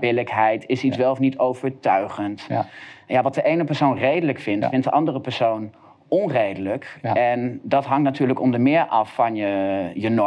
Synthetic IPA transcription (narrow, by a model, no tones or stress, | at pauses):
bɪləkɦɛjtɪsisʋɛlˠfnitowv̥əɹtœɥχənt | jaːʋɑt̚dəʔejnəpɛɹsownrejdələkfɪntfɪnt̚dəʔɑndərəpɛɹsown | ɔnrejdələkɛndɑtɦɑŋktnatyːɹləkɔmdəmɪːɹʔɑfːɑnjəjənɔ